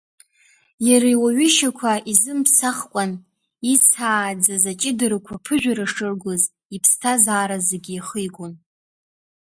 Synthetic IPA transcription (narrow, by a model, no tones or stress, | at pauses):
jaɾajwaɥɪʃakʷʰaʔizɨmpʰsaχkʷʼan | it͡sʰaːd͡zazat͡ʃʼɪdɨɾakʷʰapʰɨʒᶣaɾaʂɨrɡʷoz | ipʰstʰazaːɾazeɡʲijχəjɡʷʼon